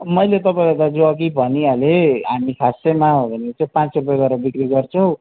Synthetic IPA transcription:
mʌjlet̪ʌpaĩʌd̪ad͡zoʌkibʱʌnialeɦamikʰasemaɦobʱʌnet͡sʌj̃pãt͡srupjɡʌɾʌbikriɡʌrt͡sʰʌw̃

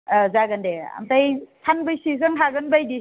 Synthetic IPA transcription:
azaɡɐndea̰mtajtʰanbɯjsizɯŋtʰaɡɯnbajdi

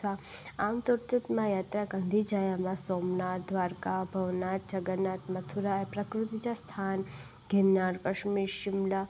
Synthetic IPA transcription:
aamt̪uɾt̪it̪mãjaːt̪ɾaɡãnd̪ʱid͡ʒajamãsomnat̪̚d̪ʋaɾkabʱəʋnat̪̚d͡ʒəɡənat̪mət̪ʰuɾaepɾɐkɾut̪it͡ʃast̪ʰan | ɡʱɛmnaɽpəʃmiʃɪmla

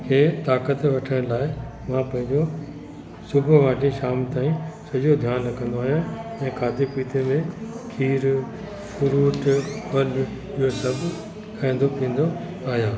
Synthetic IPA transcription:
kʰeːt̪aːkət̪ʋɐʈʰəɽ̃laːɪmãpɐ̃ɦɪ̃ɲd͡ʑo | sʊbʱʊʋaːʈiʃaːmt̪aːĩsɐʄod̪ʱjaːnlɐɡə̃nd̪oaːɦijãɛ̃ːkʰaːt̪ipiːt̪emẽkʰiːɾ | fʊɾuːʈpɐl | ɪɦosɐbʱ | kʰaːĩn̆d̪opĩːn̆d̪o | aːɦijãː

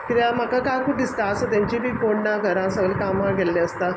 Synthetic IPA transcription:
kiɾamakakaɾkud̪ist̪aəsət̪jaɲt͡ɕibiːkoɳnaɡʱəɾãsəʋəlkamaɡʱelːeəst̪a

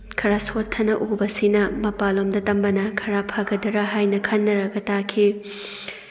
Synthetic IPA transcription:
kʰɐɾasotʰːɐnɐʔubɐsinɐmɐpalomdɐtɐmbɐnɐkʰɐɾapʰaɡɐdɐɾɐɦajnɐkʰɐnːɐɾɐɡɐtakʰi

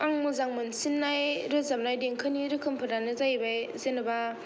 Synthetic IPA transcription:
aŋmuzaŋmɯnsinːajɾɯzam̚najdeŋkʰɯniɾɯkʰɯmpʰɯɾanɯzajbajzenɯba

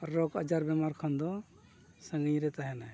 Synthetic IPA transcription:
ɾɔkəd͡ʒaɾbɛmaɾkʰənd̪ɔ | səŋɡĩɾɛt̪aɦɛna

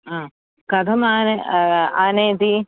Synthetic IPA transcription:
a | kɐd̪ʰʱɐmaːneanẽːd̪i

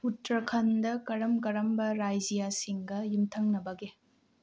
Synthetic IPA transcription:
utɾɐkʰɐndɐkɐɾɐmkɐɾɐmbɐɾajzijasiŋɡɐjumtʰɐŋnɐbɐɡe

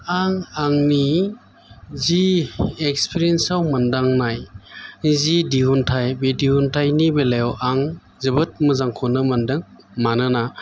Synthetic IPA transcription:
aŋaŋni | ziek̚spʰiɾiensawmandaŋnaj | zidiɦuntʰajbediɦuntʰajnibelajɔwʔaŋ | zɯbɯt̚mɯzaŋkʰɔnɯmandɯŋ | manɯna

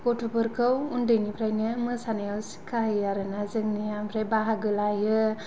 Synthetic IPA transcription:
ɡ̥ɔtʰupɯɾkʰɯwundɯjnipʰɾajnɯmɯsanajawsi̥kʰaɦɯjaɾɯnazɯŋnɯjampʰɾajbaɦaɡɯlajɯ

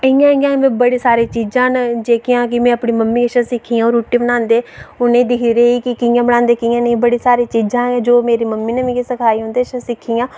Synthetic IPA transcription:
əjãːɡãːmẽːbəɽeːsaːɾeːt͡ʃiːd͡ʒãːnd͡ʒeːkɪjãːk̬ɪmɛ̃ːəpɳiːməmːĩːəʃãsɪkʰːiːãːɾoːʈiːbənãːnd̪eːʊnẽːd̪ɪkʰiːɾeːiːkɪkɪjãːbəɽ̃ãːnd̪eːkɪjãːnəĩbəɽiːsaːɾeːt͡ʃiːd͡ʒãːd͡ʒoːmeːɾiːməmːiːnẽmẽːkːsəkʰaːiːɦʊ̃ːnd̪eːʃə̃sɪkʰːiːãː

